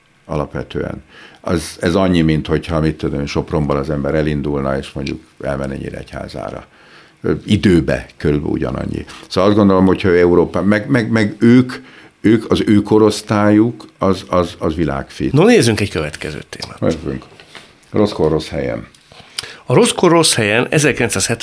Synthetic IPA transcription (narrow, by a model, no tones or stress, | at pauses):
ɒlɒpʋɛt̪ø̰ːɛ̰nɛzɛzɒɲːimint̪ho̞chɒmit̪ːud̪ønʃo̞pro̞mbolɒzɛmbɛɾɛlind̪ulnɒeːʃmo̞ɲɟṵk | ɛ̰lmɛnːɛ̰ɲːḭɾɛ̰ɛ̰cha̰ːza̰ːɾɒ̰ | id̪øːbɛ̰køɾylbɛ̰ṵɟɒ̰nɒ̰ɲːḭsoːɒzd̪ɡo̞nd̪o̞lo̞mho̞cʰhɒøːɛuɾoːpaːmɛɡmɛɡmɛɡøːk | øːkʰɒzøːko̞ɾo̞st̪aːjukɒzɒzɒzʋila̰ːkfiːnoneːzyŋkɛckøvɛt̪kɛzø̰ːt̪ḛːma̰ːzy̰ŋk | ro̞skoro̞shɛjɛ̰n | ɒɾo̞skorːo̞shɛjɛnɛ̰zɛrkilɛnsaːshɛt̪